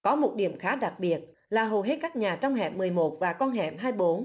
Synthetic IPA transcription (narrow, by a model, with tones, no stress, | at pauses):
kɔ˨˦mo˨˩t̚ɗḭ˧˩əmxaː˨˦ɗa˨˩k̚ɓi˨˩ət̚ | laː˨˩ɦo˨˩ɦe˦˥t̚kaː˦˥k̚ɲaː˨˩t͡ɕɔ˧wŋ͡mɦɛ̰˧˩p̚mːɨ˨˩əjmo˨˩t̚vaː˨˩kɔ˧nɦɛ̰˧˩p̚ɦaː˧jɓo˨˦n